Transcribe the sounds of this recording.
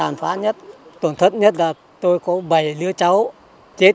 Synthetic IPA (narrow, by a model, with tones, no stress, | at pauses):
aː˨˩nfaː˨˦˥ɲə˦˥t̚t̪ə˧˩nt̪ʰə˦˥t̚ɲə˦˥t̚laː˨˩ | t̪o˧jkɔ˨˦ɓə˨˩jlɨ˧ət͡ɕa˨˦w | t͡ɕe˦˥t̚